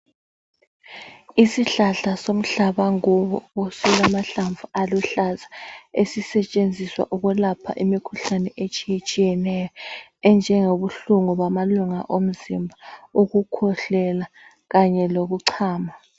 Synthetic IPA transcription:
isiɬaɬasom̩ɬaβaŋuβɔosɛlamaɬaɱvuʔaluɬazaesisɛt͡ʃʼend͡zʱiswa̰ʔuɣulapʰa̰ʔimikʰuɬanɛʔet͡ʃʼijet͡ʃʼijɛnɛjɔɛnd͡ʒʱɛŋoβuɬuŋuβamaluŋa̰ʔom̩zimbʱaoɣukʰɔɬɛla | ɣaɲɛloɣuǀʰaːma

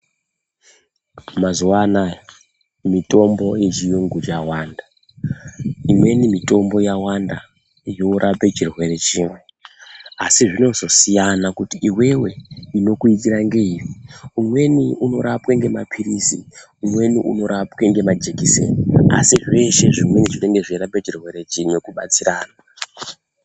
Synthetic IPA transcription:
mazuwana | mito̞mbo̞et͡ʃijuŋɡut͡ʃawaːnda | imwe̞nimito̞mbo̞jawanda | jo̞uɾʔape̞t͡ʃirwe̞ɾe̞t͡ʃiːmwe̞ | asiʐino̞zo̞sijanakutiiwe̞we̞ino̞kuitiɾaŋɡe̞iriumwe̞niuno̞ɾapweŋɡe̞mapʰiɾisi | umwe̞niʔṵno̞ɾapweŋɡe̞mad͡ʒe̞kisḛnia̰siʐe̞ʃe̞ʐimwe̞niʐineŋɡeʐiɾapet͡ʃirwe̞ɾe̞t͡ʃimwe̞kuɓat͡siɾaːna

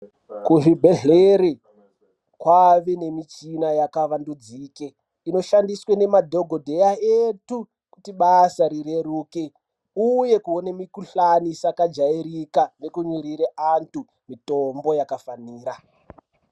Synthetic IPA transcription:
kuʐibʱe̞ɮeɾe | kwaʋene̞mit͡ʃinajakaʋandud͡ziːke | ino̞ʃandiswene̞madʱo̞ɡʱodʱe̞jaetu | kutiɓasaɾiɾe̞ɾuːke | uje̞kuonemikuɬanisakad͡ʒaiɾikanekuɲiɾiɾeʔantu | mitombo̞jakafaniːɾa

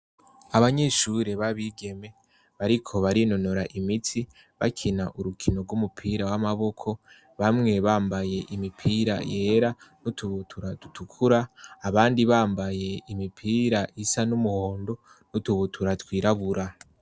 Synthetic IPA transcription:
aβaɲe̞ʃuɾe̞βaβiɡe̞me̞ | βaɾikʰo̞βaɾino̞noɾaʔimitʰi | βa̰kʰinaʔuɾukʰino̞ɡumupʰiːɾawamaβo̞kʰo̞ | βamŋe̞βaːmbaje̞ʔimipʰiːɾa̰je̞ːɾanutʰuβutʰuɾatutʰukʰuɾaːβaːndiβaːmbaje̞imipʰiːɾaʔisanumuho̞ːndo̞ | nutuβutʰuɾatwiːɾaβuɾa

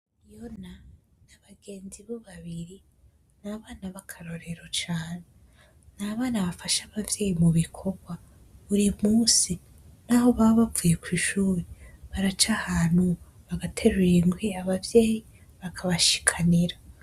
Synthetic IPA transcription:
jonanaβaɡe̞ːnziβoβaβiɾi | naβaːnaβakʰaɾo̞ɾe̞ɾo̞t͡ʃaːne | naβaːnaβafaʃaβavje̞ːjimuβikʰo̞ɡwa | βuɾimuːsi | naho̞βaβafuje̞kwiːʃuːɾeβaɾat͡ʃahaːn̥hu | βaɡatʰeɾuɾeŋɡwiaβavje̞ːji | βakʰaβaʃi̥kʰaniɾa

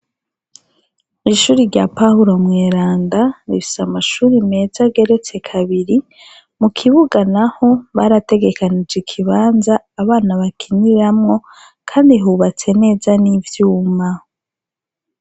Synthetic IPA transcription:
iʃuːɾiɾɟapahuɾo̞mŋe̞ːɾaːndaɾifi̥samaʃuːɾime̞zaɡe̞ɾe̞t͡se̞kʰaβiɾi | mukʰiβuɡanaho̞βaɾate̞ɡe̞kanid͡ʒikʰiβaːnzaːβaːnaβakʰiniɾamŋo̞ | kʰaːndiɦuβat͡se̞ne̞ːzanivjuːma

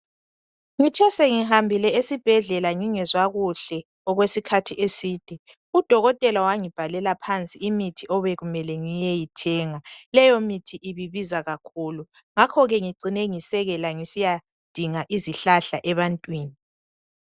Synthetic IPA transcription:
ŋit͡ʃʰɛsɛŋihambʱilɛesib̥ʱɛɮɛlaŋiŋɛzwaɣuɬɛ | ɔɣwesikʰatʰiʔesiːd̥ʱɛ | ud̥ʱɔɣɔtʼɛlawaŋib̥ʱalɛlapʰant͡sʼiimitʰiʔɔβɛɣumɛlɛŋijɛjitʰɛːŋalɛjomitʰiʔiβiβizaɣakʰuːlu | ŋakʰɔɣɛŋiǃinɛŋisɛɣɛlaŋisija | d̥ʱiŋaʔiziɬaɬaʔɛβantʼwiːni

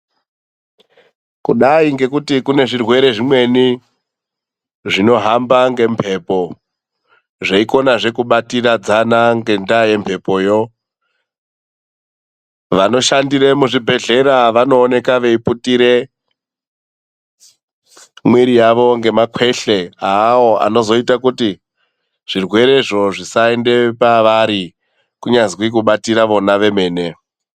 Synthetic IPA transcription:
kuɗaiŋɡe̞kutikune̞ʐirwe̞ɾe̞ʐimwe̞ni | ʐino̞ɦambaŋɡe̞mpʰe̞po̞ | ʐeiko̞naʐe̞kuɓatirad͡zanaŋɡe̞ndaje̞mpʰe̞po̞jo | ʋano̞ʃandiɾemuʐibʱe̞ɮe̞ɾaʋano̞ːne̞kaʋe̞iputiɾe̞ | mwiɾijaʋo̞ŋɡe̞makwe̞ɬe̞aːwoa̰no̞zo̞itakuti | ʐ̥irwe̞ɾe̞ʐo̞ʐisae̞nde̞paʋaɾi | kuɲazikwik̬uɓatiɾaʋo̞naʋe̞me̞ːne̞

